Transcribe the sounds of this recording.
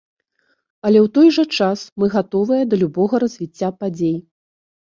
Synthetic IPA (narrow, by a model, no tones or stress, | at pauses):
ɐlʲɛwt̪ɔjʐɐt͡ʂasmɨɣat̪ɔvɨjɐd̪ɐlʲubɔɣɐɾɐzʲvʲit͡sʲːapad͡zʲej